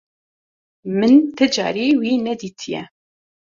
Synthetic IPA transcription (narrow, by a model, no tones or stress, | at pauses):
mɨnt̪ɨd͡ʒɑ̰ːɾiwiːnɛd̪it̪ʰijɛ̰